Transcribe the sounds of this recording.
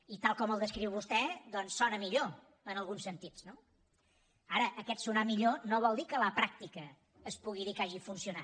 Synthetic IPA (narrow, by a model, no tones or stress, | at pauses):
it̪alˠkɔməlˠd̪əskɾiwβust̪ɛd̪ɔnsːɔnəmiʎo | ənəlˠɣunsənt̪it͡sno | aɾəʔəkɛt̪sunamiʎonoβ̞ɔlˠd̪ikələpɾak̚t̪ikəː | spuɣiðikaʒifunsiuna